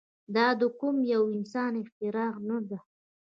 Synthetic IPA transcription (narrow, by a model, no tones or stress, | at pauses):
d̪ɑd̪əkʊmjawɪnsɑnɪxt̪ɪɾɑʁnad̪a